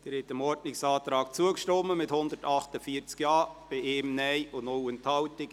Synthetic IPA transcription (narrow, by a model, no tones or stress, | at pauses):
d̥ɪːɾhɛtəmɔɾdnɪksɑːtɾɑːk̚t͡suəkʃtɔmːəmɪthʊnd̪əɾtɑχtəfiəɾt͡skjɑːb̥ɪeːmnɛjʊnowənthɑwtɪk